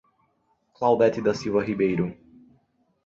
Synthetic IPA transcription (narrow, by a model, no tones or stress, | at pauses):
klawd̪ɛt̪ɪd̪ɐsiwvɐɦibejɾʊ